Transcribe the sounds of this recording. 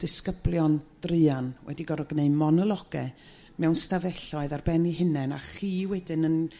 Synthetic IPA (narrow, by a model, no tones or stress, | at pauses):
d̥ɪskəblˠjɔnd̥rɨanwʔɛ̰diɡɔɾɔɡneɨmɔnɔlˠɔɡ̥ɛ̰ | mɛwnstavɛɬɔɨðarbɛniɦɪnɛna̰χiːwɛdɪnən